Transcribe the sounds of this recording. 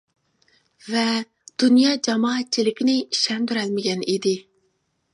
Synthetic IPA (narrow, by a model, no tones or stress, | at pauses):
vɛ | d̪̥unjɑːd͡ʒɑmɑːɛt̪̚t͡ʃʰilɪkʲinɪʃɛnd̪yɾɛlmɪɡʲɛnid̪ɪ